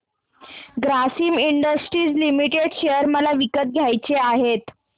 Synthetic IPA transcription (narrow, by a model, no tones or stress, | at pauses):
ɡɾasiːmiɳɖəsʈɾiːt͡slimiʈeɽɕejəɾməlaʋikət̪̚ɡʱjajt͡seaɦet̪